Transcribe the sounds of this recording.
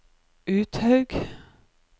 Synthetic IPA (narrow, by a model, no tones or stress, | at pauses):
ʔʉːt̪hɑʉɡ